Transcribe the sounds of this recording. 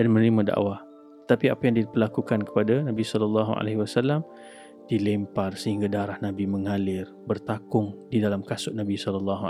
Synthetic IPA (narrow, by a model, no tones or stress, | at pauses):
dadimənlimada̰ʔwa | t̪ə̥t̪apiapajaŋdipərlakukankə̥padanabisɔlɔlːaɦua̰leɦiwasalːam | dilɛmparsəɦiŋɡadaɾahnabiməŋalɪrbərt̪akʊŋdidalamkasʊʔnabisɔlɔlːɔɦu